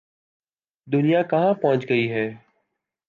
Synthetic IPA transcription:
d̪ʊnijaːkəɦãːpɔ̃ɦə̃t͡ʃɡəiːɦɛː

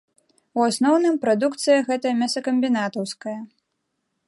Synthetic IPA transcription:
uasnɔwnɨmpɾad̪ukt̪sɨjɐɣɛt̪ɐjɐmʲasɐkɐmʲbʲinat̪ɐwskɐjɐ

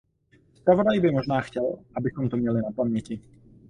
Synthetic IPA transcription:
spɾavɔd̪ajbimɔʒnaːxcɛlabisɔmt̪ɔmɪɛlinapamɪjɛci

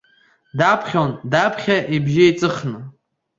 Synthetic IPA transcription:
dapʰχʲondapʰχʲaʔibʒiit͡sʼɨχnɨ

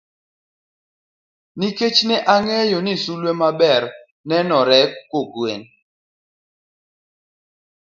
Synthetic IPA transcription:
niket͡ʃnɛʔaŋɛjonisulwemabɛɾ | nɛnɔɾɛkoɡwen

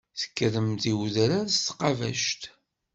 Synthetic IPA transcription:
θə̥kːəɾəmt̪iwðɾæðst̪qːɑvæ̰ʃt̪

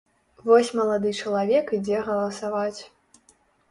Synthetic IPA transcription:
vɔsʲmɐlˠad̪ɨt͡ʂɐlˠavʲɛkid͡zʲɛɣɐlˠɐsavat͡sʲ

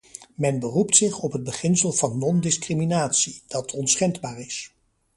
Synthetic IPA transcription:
mɛnbəruptsɪχɔpɦəd̚bəχɪnsəlˠvɑnːɔndɪskriminaːtsid̥ɑtʰɔnsχɛndbaːrɪs

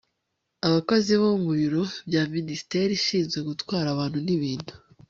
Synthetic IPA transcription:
aβakoziβomuɾiɾobjaːminisi̥te̞ɾiʃiːnzɡe̞ɡutwaːɾaβaːn̥huniβiːn̥hu̥

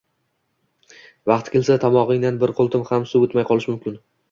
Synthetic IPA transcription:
vɑqt̪kʲelsat̪ʰamɒʁɪŋd̪anbɪɾqʰolˠt̪ʰɪmhamsuot̪majqʰɒlˠɪʃmʊmkʲɪn

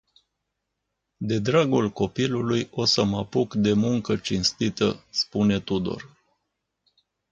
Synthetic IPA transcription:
d̪e̞d̪ɾaɡulko̞pilulujo̞səmapukd̪e̞muŋkət͡ʃinst̪it̪ə̰spune̞t̪ud̪o̞̰r

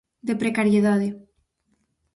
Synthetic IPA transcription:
d̪epɾekaɾjeðaðe

